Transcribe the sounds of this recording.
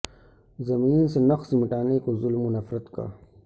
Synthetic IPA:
zɐmiːnsenɐxsimiʈaːneːkozulmunɐfɾɐt̪ka̰

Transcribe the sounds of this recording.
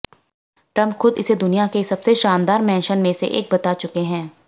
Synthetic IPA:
ʈɾɐ̃mpxʊd̪ɪsed̪ʊnijakesɐbseʃaːnd̪aːɾmɛ̃ːnʃənmẽsḛʔḛːk̚bɐt̪at͡ʃʊkeɦɛ̃ː

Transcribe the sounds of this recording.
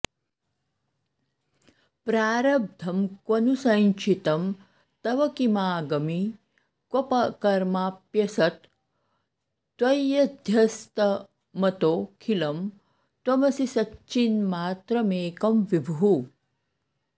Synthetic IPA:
pɾaːɾɐb̚d̪ʱɐmkwɐnusɐnt͡ʃʰit̪ɐm | t̪ɐʋɐkimaːɡɐmi | kwopɐkɐɾmaːpjɐsɐt̪ | wɐjɐd̪ʱjɐst̪ɐ | mɐt̪oːkʰilɐm | t̪wɐmɐsisɐt͡ʃinmaːt̪ɾɐmeːkɐmʋibʱuɦu

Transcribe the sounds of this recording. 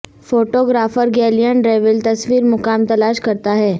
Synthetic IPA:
foːʈoːɡɾaːfəɾɡɛːlijənɾeːʋəlt̪ɐsʋiːɾmʊkaːmt̪ɐlaːʃkɐɾt̪aɦɛː

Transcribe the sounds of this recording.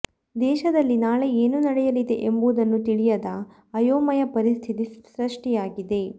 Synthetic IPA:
d̪ɛːʃɐd̪ɐlːinaːɭe̞eːnunɐɽɛjɐlid̪e̞̰ʔembud̪ɐnːut̪iɭijɐd̪ɐ | ɐjoːmɐjɐpɐɾist̪ʰit̪iɾɐʂʈijaːɡid̪e̞

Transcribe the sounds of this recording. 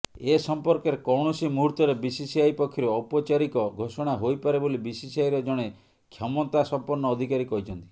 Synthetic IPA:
esɔmpɔɾkeɾekɔwɳ̃ɔsimuɦuɾt̪ɔɾebisisiajpɔkʰːiɾɔːpɔt͡ʃaɾikɔɡʱosɔɽ̃aɦojpaɾebolibisisiajɾɔd͡ʒɔɽ̃e | kʰjɔmɔt̪asɔmpɔɾnɔːd̪ʱikaɾikɔɦjt͡ʃʰɔnt̪i̥

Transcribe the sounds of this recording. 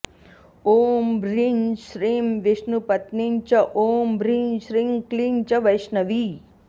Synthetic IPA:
oːmbɾinʃɾimʋɪʃnupət̪nint͡ʃɐʔoːmbɾinʃɾiŋklint͡ʃəʋəjʃnəʋi

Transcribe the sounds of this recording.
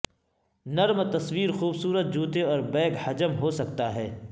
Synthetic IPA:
nɐɾmt̪ɐswiːɾxuːbsuːɾət̪̚d͡ʒuːt̪eɔːɾbɛːkhɐd͡ʒəmɦosɐkt̪aɦɛː

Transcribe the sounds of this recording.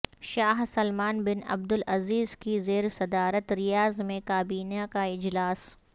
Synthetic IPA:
ʃaːɦsɐlmaːnbɪnɐ̰b̚d̪ʊlɐziːzkizeːɾsɐd̪aːɾət̪ɾɪjaːzmẽkaːbiːnakaɪd͡ʒlaːs

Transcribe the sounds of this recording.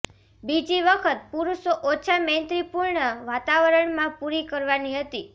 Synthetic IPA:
bid͡ʒiʋəkʰət̪̚puɾuʃoʔot͡ʃʰament̪ɾipuɾɳəʋat̪aʋəɾəɳmãpuɾikəɾʋaniɦət̪i

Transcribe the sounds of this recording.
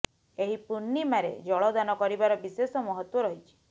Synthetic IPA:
eɦipunːimaɾḛd͡ʒɔɭɔd̪anɔkɔɾibaɾɔbisesɔmɔɦɔt̪wɔɾɔɦit͡ʃʰi̥

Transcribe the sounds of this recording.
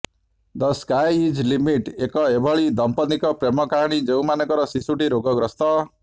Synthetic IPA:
d̪ɔskajid͡ʒlimiʈekɔebʱɔɭid̪ɔmpɔnikɔpɾemɔkaɦaɽ̃id͡ʒeumanɔkɔɾɔsisuʈiɾoɡɔɡɾɔst̪ɔ

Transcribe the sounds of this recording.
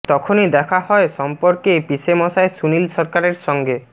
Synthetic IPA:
t̪ɔkʰonid̪ɛkʰaɦɔeʃɔmpoɾkepisemɔʃaesunilʃɔɾkaɾeɾʃɔŋɡe

